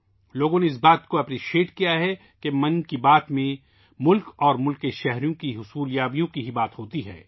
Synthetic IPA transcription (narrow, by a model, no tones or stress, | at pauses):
loːɡõneɪs̬baːt̪koɛpɾiːʃeːʈkijaɦɛ | kemɐ̃nkibaːt̪mẽ | mʊlkɔːɾmʊlkeʃɛɦɾijõkiɦʊsuːljaːbijõkiɦibaːt̪ɦoːt̪iɦɛ̰ː